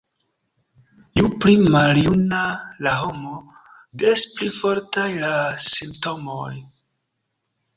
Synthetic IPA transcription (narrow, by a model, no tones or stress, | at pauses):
juplimaljunalaɦo̞mo | desplifo̞ɾtajlasimpto̞moj